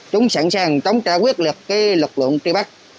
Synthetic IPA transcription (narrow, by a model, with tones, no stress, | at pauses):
t͡ɕʊ˨˦ŋ͡msa˧˩nsaː˨˩ŋt͡ɕə˨˦wŋ͡mt͡ɕaː˧˩kwi˦˥ət̚lɨ˨˩ək̚kaː˨˦jlɨ˨˩k̚lɨ̰˧˨ənti˧ɓa˦˥k̚